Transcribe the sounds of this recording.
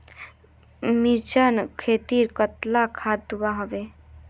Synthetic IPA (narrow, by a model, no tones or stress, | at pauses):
miɾt͡ʃənkʰet̪iɾkət̪lakʰad̪d̪uwaɦɔʋe